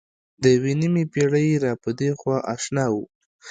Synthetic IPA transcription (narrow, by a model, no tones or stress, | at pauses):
d̪əwinimipeɽəjɾɑpəd̪exwɑʔaʃnɑwu